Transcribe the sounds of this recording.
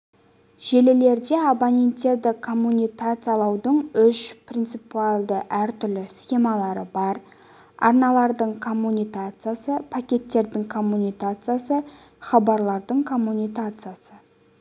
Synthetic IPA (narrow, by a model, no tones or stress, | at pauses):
ʒ̥e̞lele̞ɾd̪e̞abanʲe̞nt̪ːe̞ɾd̪ɪkʰo̞mːunijkat̪sɨjalˠɑwd̪əɴʏʃprʲint̪sɨpualˠd̪əʔæɾt̪ʏɾlɪsχe̞mɑlˠɑɾəbɑɾ | ɑ̰ɾnɑlˠɑɾd̪əɴkʰo̞mːunʲijkat̪sɨjasəpʰakʲe̞t̪ːe̞ɾd̪ɪŋkʰo̞mːunijkat̪sɨjasə | χɑbɑɾlˠɑɾd̪əɴkʰo̞mːunijkat̪sɨjasə